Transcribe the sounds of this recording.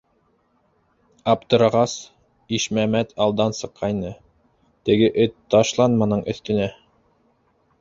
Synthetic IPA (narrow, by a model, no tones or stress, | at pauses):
ɑpt̪ɤ̆ɾɤ̆ʁɑs | iʃmæmæt̪ʰɑlˠd̪ɑnsɤ̆qʰːɑjnɤ | t̪ɘ̆ɡɘʔɵt̪ːɑʃlˠɑnmɑnɤɴʔɵ̆θt̪ɵ̆næ